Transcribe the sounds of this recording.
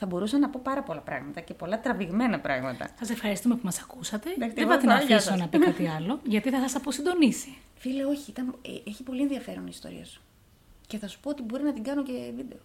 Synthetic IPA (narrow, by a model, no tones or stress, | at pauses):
θɐbo̞ɾusɐnɐpo̞pɐɾɐpo̞lɐpɾɐ̰ɣmɐt̪ɐce̞po̞lɐt̪ɾɐviɣme̞nɐpɾɐɣmɐt̪ɐ̰sɐse̞fxɐɾist̪ume̞pumɐsɐkusɐt̪e̞eðebɐt̪inɐfisonɐpik̪ɐt̪iɐlo̞ʝɐt̪iθɐsɐsɐposind̪o̞nisi̥ | fileo̞çiit̪ɐneeçipo̞lienðiɐfe̞ɾo̞̰niːst̪o̞̰ɾḭɐsu̥ | ce̞θɐsu̥poot̪ibo̞ɾinɐt̪iŋɡɐnocevid̪e̞o